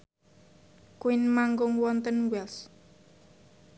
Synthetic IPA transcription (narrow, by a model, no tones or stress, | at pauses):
kwinmaŋɡʊŋwɔnt̪ənwɛls